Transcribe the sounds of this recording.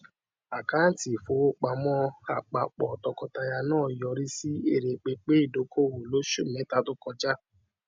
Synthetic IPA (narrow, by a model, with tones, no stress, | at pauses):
a˨ka˨˦n̩˦ti˨fo˨˦o˦k͡pa˨mɔ̃˦a˨k͡pa˨k͡pɔ˨tɔ˨kɔ˧ta˧ja˧nãː˦˨jɔ˧ɾi˦si˦e˦˨ɾe˨k͡pe˧k͡pe˦i˦˨do˨˦ko˦˨wo˨lo˨˦ʃu˦˨mɛ̃˨˦ta˦tʊ˦kɔ˧d͡ʒa˦